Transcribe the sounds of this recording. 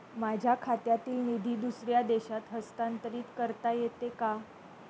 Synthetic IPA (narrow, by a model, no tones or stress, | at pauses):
mad͡ʑʱjakʰat̪jat̪iːlnid̪ʱiːd̪usɾjad̪eɕat̪ɦəst̪ant̪əɾiːt̪kəɾt̪ajet̪eka